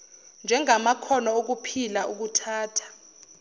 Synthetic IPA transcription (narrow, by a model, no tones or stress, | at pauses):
nd͡ʒʱɛŋamakʰɔnɔok̬upʰilauk̬utʰaːtʰḁ